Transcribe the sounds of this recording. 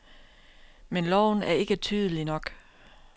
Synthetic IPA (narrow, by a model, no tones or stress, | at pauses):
menlɒʊ̰n̩æɐe̝ɡ̥ət͡sʰyːð̞ˠəlinɒ̽ɡ̥